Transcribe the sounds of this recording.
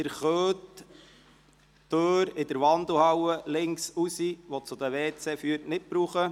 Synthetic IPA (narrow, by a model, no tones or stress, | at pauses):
ɪɾχøːt | øːɾɪd̥̪əɾʋɑnd̪l̩hɑwəlɪŋksusiʋot͡sʊd̪əʋeːt͡sefyːɾtnɪt̚b̥ɾuːχə